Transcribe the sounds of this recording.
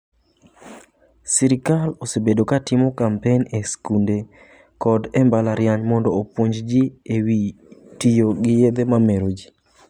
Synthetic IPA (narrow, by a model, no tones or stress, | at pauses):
siɾɪkalosebedokatɪmokampeneskunde | kɔdɛmbalaɾjaɲmɔndɔopwoɲd͡ʒd͡ʒiewi | tijoɡɪjed̪emameɾod͡ʒi